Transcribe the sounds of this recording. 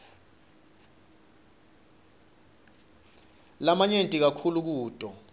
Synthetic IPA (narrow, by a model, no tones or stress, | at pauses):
lamaɲentʼik̬akʰuluk̬uːtʼɔ